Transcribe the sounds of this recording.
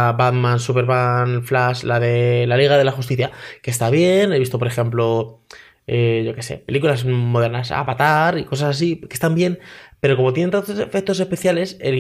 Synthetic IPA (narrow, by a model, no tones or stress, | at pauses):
bad̪mãnsupe̞ɾβanflaʃlaðe̞laliɣ̞aðe̞laxust̪iθjakest̪aβ̞je̞ne̞βist̪o̞p̬oɾe̞xe̞mplo̞ | eʝo̞ke̞se̞̰pe̞likulazmo̞ðe̞ɾnasa̰pat̪aɾiko̞sasas̬ike̞st̪ambje̞npe̞ɾo̞ko̞mot̪jenent̪ant̪osefe̞k̚t̪o̞se̞spe̞θjale̞sḛl